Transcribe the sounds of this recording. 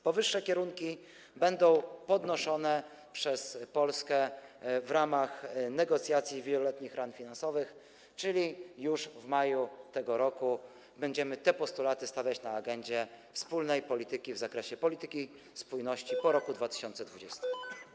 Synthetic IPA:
pɔvɘʂːɛkʲɛɾuŋkʲi | bɛnd̪ɔ̃w̃pɔd̪nɔʂɔnɛ | pʂɛspɔlskɛvɾamaxnɛɡɔt̪sʲjat̪sʲjivʲjɛlɔlɛt̪ɲixɾanfʲinansɔvɘx | t͡ʂɘlʲijuʂvmajut̪ɛɡɔɾɔku | bɛɲd͡ʑɛmɘt̪ɛpɔst̪ulat̪ɘst̪avʲjat͡ɕnaːɡɛɲd͡ʑɛfspulnɛjpɔlʲit̪ɘkʲivzakɾɛɕɛpɔlʲit̪ɘkʲi | spujnɔɕt͡ɕipɔɾɔkud̪vat̪ɘ̥ɕɔnt̪sɛd̪vud͡ʑɛst̪ɛm

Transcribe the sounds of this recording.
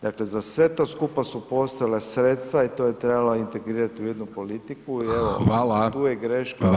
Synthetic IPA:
d̪akle̞zasʋe̞t̪o̞ːskupasupo̞st̪ojalesɾet̪st̪ʋait̪oːjet̪ɾe̞baloint̪e̞ɡɾiːɾat̪iujed̪nupo̞lit̪ikuieʋoalt̪uːjeɡɾeʃka

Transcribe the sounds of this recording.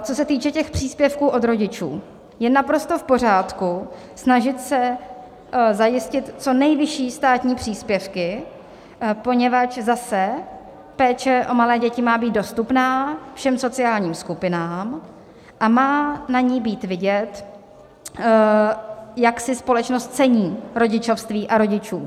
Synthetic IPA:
t͡so̞sɛt̪iːt͡ʃɛcɛxpr̝̥iːspjɛfkuːʔo̞d̪ɾo̞ɟɪt͡ʃṵː | jɛnapɾo̞st̪o̞fpo̞r̝aːt̪ku | snaʒɪt̪sɛ | zajɪscɪt̪t͡so̞nɛjvɪʃiːst̪aːt̪ɲiːpr̝̥iːspjɛfkɪ | po̞ɲɛvat͡ʃzasɛ | pɛːt͡ʃɛʔo̞malɛːɟɛcɪmaːbiːd̪̚do̞st̪upnaːfʃɛmso̞t͡sɪaːlɲiːmskupɪnaːm | ʔamaːnaɲiːbiːt̪vɪɟɛt̪ | jaksɪspo̞lɛt͡ʃnost̪̚t͡sɛɲiːɾo̞ɟɪt͡ʃo̞fst̪viːʔaɾo̞ɟɪt͡ʃuː

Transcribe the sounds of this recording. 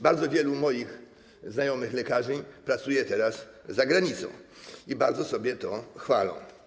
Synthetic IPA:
baɾd̪zɔvʲjɛlumɔjix | znajɔmɘxlɛkaʐɘpɾat̪sujɛt̪ɛɾas | zaɡɾaɲit̪sɔ̰̃w̃ibaɾd̪zɔsɔbʲjɛt̪ɔxfalɔ̰̃w̃

